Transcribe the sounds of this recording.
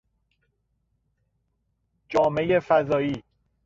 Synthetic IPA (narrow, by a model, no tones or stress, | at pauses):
d͡ʒɒːme̞jefæzɒːiː